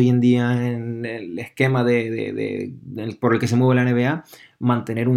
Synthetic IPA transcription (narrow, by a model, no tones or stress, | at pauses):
jend̪iaenelehke̞maðeðḛðḛpo̞ɾelkes̬emweβlaene̞βeamãnt̪e̞ne̞ɾu